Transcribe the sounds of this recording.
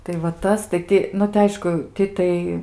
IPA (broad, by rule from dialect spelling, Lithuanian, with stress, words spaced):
tɐɪ ʋɐ ˈtɐs tɐɪ ˈtʲɪ nʊ tɐɪ ˈɐɪʃkʊ ˈtʲɪ tɐɪ